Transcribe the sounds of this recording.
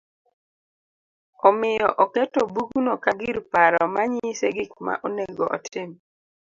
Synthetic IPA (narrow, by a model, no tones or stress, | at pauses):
ɔmɪjɔ̰ʔɔketobuɡunokaɡɪɾpaɾɔmaɲiɪseɡɪkma̰ʔoneŋɡoʔɔ̰tʰɪm